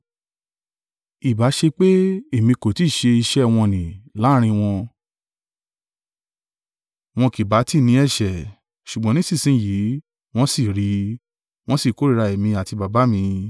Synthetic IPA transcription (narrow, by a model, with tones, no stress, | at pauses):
i˨ba˨˦ʃe˧k͡pe˦e˦˨mĩ˧ko˨ti˦˨ʃe˧i˧ʃɛ˦w̃ɔ̃˧nĩ˨la˦ɾ̃ĩ˧w̃ɔ̃˧ | w̃ɔ̃˧ki˨ba˨˦ti˦˨nĩ˨˦ɛ˦˨ʃɛ˨ | ʃu˨ɡ͡bɔ̃˨˦nĩ˦sĩ˦˨sĩ˦ji˨˦ | w̃ɔ̃˦si˦˨ɾi˨˧˦ | w̃ɔ̃˦si˦˨ko˨˦ɾi˦˧ɾa˧e˨mĩ˧a˨ti˧ba˨ba˨˦mĩ˧